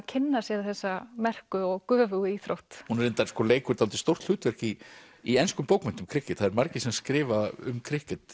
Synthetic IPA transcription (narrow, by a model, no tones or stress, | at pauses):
cʰɪnːasjɛɾθɛsːamɛr̥kʏɔɣkœːvʏɣʏiθɾowht̪hunɛɾent̪aɾ̥skɔːleːjkʏɾt̪alt̪ɪ̥st̪owr̥t̪l̥ʏːt̪vɛr̥ki | iejnskʏmpoːwkmɛnt̪ʏmkʰɾɪhkɪt̪θaðɛɾmaɾcɪsɛmaskɾɪːvaʏ̰mkʰɾɪhcɪt̪